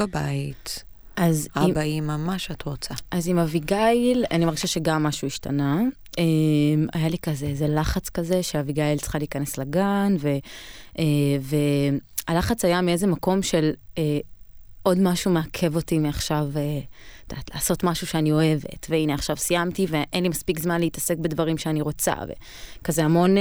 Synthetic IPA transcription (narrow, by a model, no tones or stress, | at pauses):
abait | ʔazaibaimamaʃatʁot͡saʔazimaviɡaila̰nimaʁɡiʃaʃe̞ɡamːaʃuiʃtana | ʔema̰jalikazeezelaχat͡skazeʃeaviɡailt͡sχaliːkane̞slaɡanve̞ | ʔeve̞alaχat͡sajamie̞zemako̞mʃele | ʔo̞dmaʃumeakʰe̞vo̞timiaχʃaved̪̥atleːso̞tmaʃuʃeanio̞e̞ve̞̰tveineaχʃavsijamtive̞ʔenlimaspikzmanleitɐse̞kbedvɐʁimʃeaniʁo̞t͡sa̰vḛ | kazeamo̞n